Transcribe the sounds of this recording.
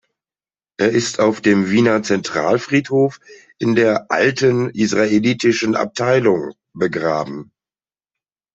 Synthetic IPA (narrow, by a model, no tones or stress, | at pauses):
ʔeːɐɪstʰaʊfd̥eːmviːnɐt͡sɛntʁ̥a̰ːlfʁ̥iːthoːf | ʔɪndeːɐʔaltənʔisʁ̥aeliːtɪʃn̩a̰p̚tʰaɪlʊŋ | bəɡʁaːbm̩